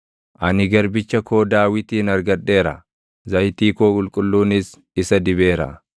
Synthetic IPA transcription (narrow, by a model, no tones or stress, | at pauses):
ʔɐnɪɡɐɾbɪt͡ʃːɐkʰo̞ːd̪aːwɪt̪iːnɐɾɡɐᶑːe̞ːɾɐ̰ | zɐjt̪iːkoːkʼʊlkʼʊlːuːnɪs | ɪsɐd̪ɪbe̞ːɾɐ̰